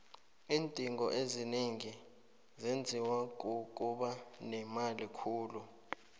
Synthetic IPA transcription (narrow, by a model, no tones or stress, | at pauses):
iːntʼiŋɔʔezineŋi | zend͡zʱiwak̬ok̬ʼuɓanɛmalikʰuːlu